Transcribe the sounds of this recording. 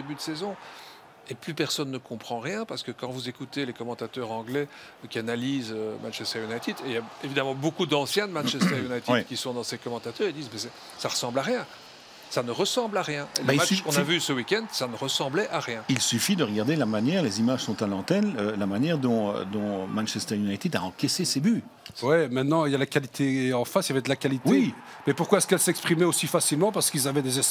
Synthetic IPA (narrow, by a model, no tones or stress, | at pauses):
d̪ebyd̪əsɛzɔ̃ | eplypɛʁsɔnːəkɔ̃pχɑ̃ʁjɛ̃paʁsə̥kəkɑ̃vuzekut̪elekɔmɑ̃t̪at̪œʁɑ̃ɡlɛ | kʲianaliːzømã̰nʃɛst̪ɛʁjunajt̪id̪eljaevid̪amɑ̃bokud̪ɑ̃sjɛ̃d̪əmɑ̃nʃɛstt̪ɛʁjunajt̪idkʲisɔ̃d̪ɑ̃sekɔmɑ̃t̪at̪œʁed̪iːzmɛsɛ | saʁəsɑ̃blaʁjɛ̃ | sanəʁəsɑ̃blaʁjɛ̃eəbamat͡ʃskɔ̃navysəwikʲɛ̃nd̪sanəʁəsɑ̃blɛʔaʁjɛ̃ilsyfid̪əʁəɡaʁd̪elamanjɛʁlezimaʒsɔ̃t̪alɑ̃t̪ɛnølamanjɛʁd̪ɔ̃ø̰d̪ɔ̃mɛ̃nʃɛst̪ɛʁjunajt̪id̪aɑ̃kʲɛseseby | wɛmɛ̃t̪nɑ̃iljalakalit̪ʰeɑ̃fasiavɛd̪əlakalit̪wei | mɛpuʁkwaɛskɛlsɛkspχimɛosifasilmɑ̃paʁsəkilzavɛd̪ezɛs